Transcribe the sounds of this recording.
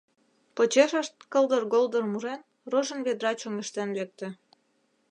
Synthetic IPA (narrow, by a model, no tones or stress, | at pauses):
pot͡ɕeʃəʃt̪̚kəld̪ərɣold̪ərmuɾen | roʒə̆nβed̪ɾɑt͡ɕoŋeʃt̪enlek̚t̪ĕ